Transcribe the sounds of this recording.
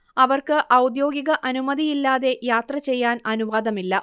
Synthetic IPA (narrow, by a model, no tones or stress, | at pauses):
ɐʋɐrkɨʔɐwd̪jo̞ːɡiɣɐʔɐnumɐðijilːaːðe̞jaːt̪rɐt͡ɕe̞jːaːnɐnuʋaːd̪ɐmilːɐ